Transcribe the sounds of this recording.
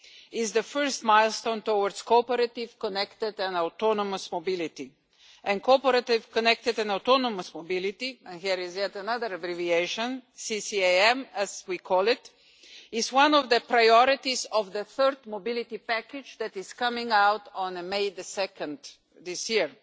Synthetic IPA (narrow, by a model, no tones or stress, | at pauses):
ɪzd̪əfɜ˞st̪maɪlˠst̪õʊ̃nt̪owəɾdskɔpəɾət̪ɪv̥kɔnɛkt̪ɪd̪ɛ̃naʊtɔnɔməsmobɪlɪt̪i | ʔɛ̃nkʰɔpəɾət̪ɪvkɔnɛk̚t̪ɨdɛ̃naʊt̪ɔnɔməsmobɪlɪt̪iɛ̃nɦiɾɪzjɛtənʌðəɾəbɾivieɪʃə̃nsisieɛ̃mɛz̥wikʰɔlˠɪt | ɪzwʌ̃nɔvd̪əpɾajɔɾɪt̪izɔvðəθɜɾd̪mobɪlɪt̪ipækɪd͡ʒd̪ɛt̪ɪz̥kʌmɪ̃ŋawtɔ̃nmeɪðəsɛkə̃nd̪ | d̪ɪsjiɹ